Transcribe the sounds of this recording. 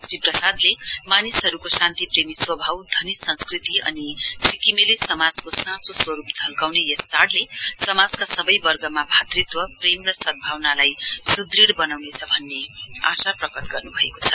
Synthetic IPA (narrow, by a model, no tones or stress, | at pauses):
sɾiprʌsad̪lemanisɦʌɾukosãnt̪ipremiswʌbʱawd̪ʱʌnisʌ̃nskrit̪iʌ̰nisikimelisʌmad͡zkosãt͡soswʌɾupd͡zʱʌlkawnejʌst͡saɽlesʌmad͡zkasʌbʌjbʌrɡʌmabʱat̪rit̪wʌpremrʌsʌd̪̚bʱawnalajsud̪riɽbʌnawnet͡sʰʌbʱʌnːea̰saprʌkʌʈɡʌrnubʱʌeko̥t͡sʰʌ